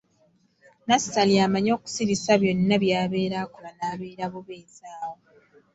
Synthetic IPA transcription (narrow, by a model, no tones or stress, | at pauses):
nastaliamaɲo̞ːku̥siɾisaβjo̞nːaβjaːβe̞ːɾakolanaːβeːɾaβuβe̞ːzaːwo